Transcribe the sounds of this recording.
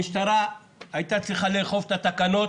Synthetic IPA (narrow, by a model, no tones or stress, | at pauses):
iʃtaɾa | ajt̪at͡sliχaleːχo̞vt̪at̪akano̞